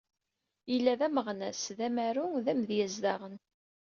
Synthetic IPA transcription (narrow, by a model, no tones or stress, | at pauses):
ilːæðæməʁnæsðæmæɾuðæmðjæzd̪ɑʁən